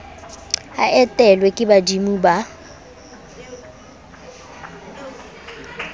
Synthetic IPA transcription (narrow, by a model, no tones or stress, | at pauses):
aʔɛtʼɛlwɛkʼɪbadimuba